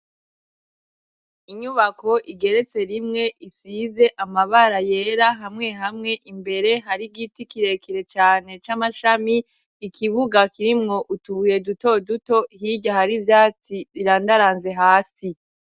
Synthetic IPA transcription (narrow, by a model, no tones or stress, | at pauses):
iɲuβako̞ʔiɡe̞ɾe̞t͡se̞ɾimŋe̞ʔisize̞ʔamaβaɾaje̞ɾaɦamŋe̞hamŋe̞ʔimbe̞ɾe̞ɦaɾiɡitikiɾe̞kiɾe̞t͡ʃaːne̞t͡ʃamaʃamiː | kʰiβuɡakiɾimŋo̞ʔutuuje̞duto̞duto̞hiɟahaɾivjaːt͡siβiɾaːndaɾaːnze̞ɦaːsi